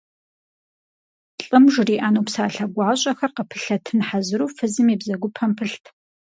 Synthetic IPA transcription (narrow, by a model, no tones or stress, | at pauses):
ɬʼɨmʒriːʔaːnuːpsaːɬɐɡʷɑːɕʼɐxɐrqəpʰɨ̥ɬɐtʰɨnħazɨɾuːfɨzɨmibzɐɡʷʊpʰɐmpʰɨɬtʰ